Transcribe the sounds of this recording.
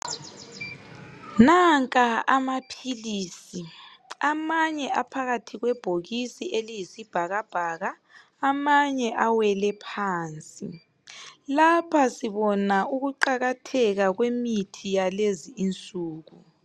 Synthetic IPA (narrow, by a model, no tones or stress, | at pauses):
naŋkʼaamapʰiliːsi | amaɲɛʔapʰaɣatʰiɣwɛb̥ʱoɣisielijisib̥ʱaɣab̥ʱaɣaː | maɲɛʔawɛlɛpʰaːnt͡sʼi | lapʰasiβɔnauɣuǃaɣatʰɛɣaɣwemitʰijaleziːnt͡sʼuːɣu